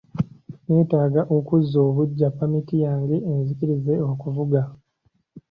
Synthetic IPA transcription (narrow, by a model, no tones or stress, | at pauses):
ne̞ːtaːɡaʔokuzːo̞ːβuɟːapːamitijaːŋɡeenzikiɾize̞o̞kuvuɡa